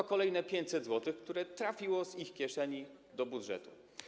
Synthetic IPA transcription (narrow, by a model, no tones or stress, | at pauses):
ɔkɔlɛjnɛpʲjeɲt͡ɕsɛd̪zwɔt̪ɘxkt̪uɾɛt̪ɾafʲiwɔzixkʲjɛʂɛɲid̪ɔbud̪ʐɛ̰t̪u